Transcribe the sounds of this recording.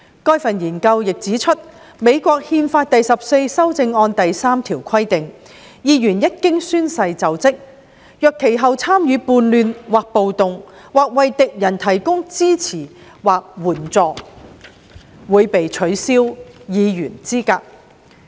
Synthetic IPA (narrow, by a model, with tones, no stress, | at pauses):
kɔː˥jfɐ˨njiː˨˩nkɐ˧wjɪ˨k̚t͡siː˨˥t͡ʃʰɵ˥t̚ | me˨˧jkʷɔː˧k̚hiː˧nfaː˧t̚t̪ɐ˨jsɐ˨p̚se˧jsɐ˥wt͡sɪ˧ŋɔː˧nt̪ɐ˨jsaː˥mt̪ʰiː˨˩wkʰɐ˥jt̪ɪ˨ŋ | jiː˨˧jyː˨˩njɐ˥t̚kɪ˥ŋsyː˥nsɐ˧jt͡sɐ˨wt͡sɪ˥k̚ | jœː˨˧kʰːe˨˩jɦɐ˨wt͡sʰaː˥mjyː˨˧puː˧nlyː˨˧nwaː˨k̚po˨wt̪ʊ˨ŋ | waː˨k̚wɐ˨jt̪ɪ˨k̚jɐ˨˩nt̪ʰɐ˨˩jkʊ˥ŋt͡siː˥t͡sʰiː˨˩ | waː˨k̚wuː˨˩nt͡sɔː˨ | wuː˨˧jpe˨jt͡ʃʰɵ˨˥ɥsiː˥wjiː˨˧jyː˨˩nt͡siː˥kaː˧k̚